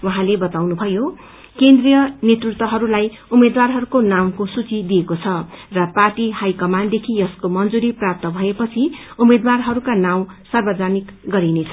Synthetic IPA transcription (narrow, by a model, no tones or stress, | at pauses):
wʌɦãlebʌt̪awnubʱʌjo | kend̪rijʌnet̪rut̪wʌɦʌɾulaj | umed̪warɦʌɾukonamkosut͡sid̪ijekot͡sʰʌrʌparʈihajkʌmand̪ekʰijʌskomʌnd͡zuɾiprap̚t̪ʌbʱʌepʌt͡sʰi | umed̪warɦʌɾukanaw̃sʌrbʌd͡zʱanikɡʌɾinet͡sʰʌ